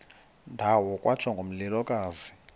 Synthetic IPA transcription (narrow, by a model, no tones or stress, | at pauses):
ndʱawɔkʼwat͡ʃʰaŋɡʱom̩lilɔkʼaːzi